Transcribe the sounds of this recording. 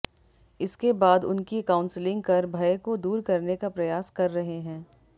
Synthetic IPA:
ɪskebaːd̪ʊ̰nkikãːʊ̃nslɪ̃ŋɡ̚pɐɾbʱɐjekod̪uːɾkɐɾnekapɾɐjaːskɐɾːɐɦeɦɛ̃ː

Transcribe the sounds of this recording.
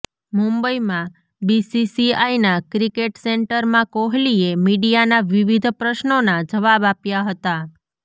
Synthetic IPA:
mũmbəimã | bisisiajnakɾikeʈseɳʈəɾmãkoɦliemiɽijanaʋiʋid̪ʱpɾəʃnonad͡ʒəʋabapjaɦət̪a

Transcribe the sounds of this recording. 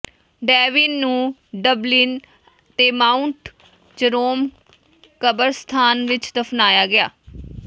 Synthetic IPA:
ɖɛːʋiːnːũːɖəblin | t̪eːmaːʊɳʈ | t͡ʃəɾoːm | kəbəɾst̪ʰaːnʋɪt͡ʃd̪əpʰnaːjaːɡɪa̰ː

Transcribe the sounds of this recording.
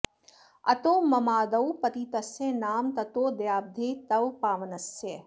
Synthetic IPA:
ɐ̰t̪oːmɐmaːd̪ɐwpɐt̪it̪ɐsẽnaːmt̪ɐt̪oːd̪jaːb̚d̪ʱeːt̪ɐʋpaːʋɐnɐse

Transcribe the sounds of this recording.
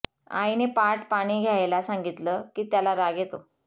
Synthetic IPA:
a̰inepaʈpaɽ̃iːɡʱjajlasãŋɡit̪ləkiːt̪jalaɾaɡet̪o

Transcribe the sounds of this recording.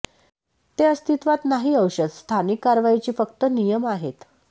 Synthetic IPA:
t̪eəst̪it̪ʋat̪naɦiːəwɕəd̪st̪ʰanikːaɾʋait͡ɕiːfək̚t̪ənijəmaɦet̪

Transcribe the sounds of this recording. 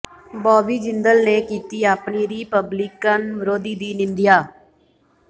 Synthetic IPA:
bɔːbiːd͡ʒɪnd̪əlneːkiːt̪iːaːpniːɾiːpəbliːkənʋɾoːd̪iːd̪iːnɪ̃nd̪ɪjaː

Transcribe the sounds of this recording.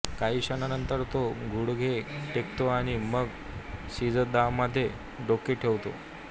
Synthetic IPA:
kaɦiːɕənanənt̪əɾt̪oɡʱuɽɡʱeʈekt̪oaɽ̃iməɡ | sid͡zəd̪aʋməd̪ʱːje | ɖokːiʈʰeʋt̪o̰

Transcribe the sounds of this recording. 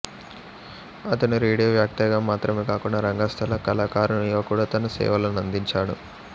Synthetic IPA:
ɐt̪ɐnuɾiːɽijoːʋjaːk̚t̪ɐɡaːmaːt̪ɾɐmeːkaːkuɳɖɐɾɐŋɡaːst̪ʰɐlɐkɐlaːkaːɾunuiʋɐkuːɽaːt̪ɐnɐsɛ̰ːʋɐlɐnɐnd̪iɲt͡ʃaːɽṵ

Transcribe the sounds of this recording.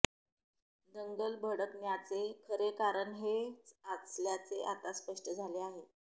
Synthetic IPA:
d͡zəŋɡəlbʱəɽəknjat͡sekʰəɾekaɾəɳɦet͡sat͡sljat͡seʔat̪aspəʂʈəd͡zʱaleaɦe

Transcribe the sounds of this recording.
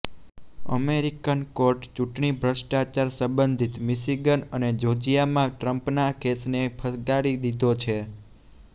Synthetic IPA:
ə̰meɾikənkoɾʈt͡ʃuʈɳibʱɾəʃʈat͡ʃaɾsə̃mbənd̪ʱit̪miʃiɡənəned͡ʒod͡ʒijamãʈɾəmpnakʰesnepʰəsɡaɽid̪id̪ʱot͡ʃʰe

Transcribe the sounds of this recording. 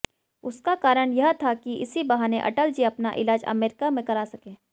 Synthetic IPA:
ʊskakaːɾəɽ̃jɐɦt̪ʰakiɪ̰sibɐɦaːneʔɐ̰ʈəld͡ʒiɐpnaʔɪ̰laːd͡ʒɐ̰meːɾɪkamẽkɐɾaːsɐkẽː

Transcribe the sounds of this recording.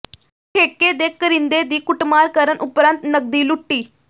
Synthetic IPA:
ʈʰekːed̪ekːəɾind̪ed̪iːkuʈmaɾkəɾənʔupɾãnt̪nəɡ̚d̪iːluʈːiː

